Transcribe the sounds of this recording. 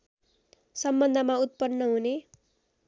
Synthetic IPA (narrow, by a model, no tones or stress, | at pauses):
sʌmbʌnd̪ʱʌmaut̪̚pʌnːʌɦune